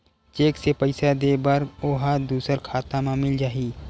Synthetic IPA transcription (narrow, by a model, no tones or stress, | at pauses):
t͡ʃeːksepəɪsad̪eːbəɾoːɦad̪uːsəɾkʰaːt̪amãmɪld͡ʒaːɦiː